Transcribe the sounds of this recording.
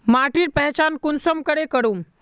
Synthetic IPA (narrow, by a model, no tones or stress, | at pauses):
maʈiːɾpɛɦt͡ɕankunsəmkəɽekəɽuːm